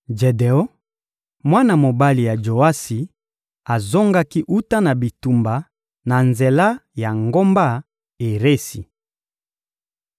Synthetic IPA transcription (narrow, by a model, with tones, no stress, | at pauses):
d͡ʒe˨de˨ɔ˦ | mwa˦na˦˨mo˨ba˦li˨ja˨d͡ʒo˨a˦si˨ | a˨zo˦ŋɡa˦ki˦ʔu˦ta˦na˨bi˨tu˨mba˨ | na˨nze˨la˦ja˨ŋɡo˦mba˦ | e˨ʁe˦si˨